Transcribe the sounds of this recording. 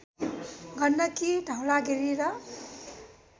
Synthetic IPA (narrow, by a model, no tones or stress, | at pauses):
ɡʱʌnːʌkidʱawlaɡʱeɾiɾʌ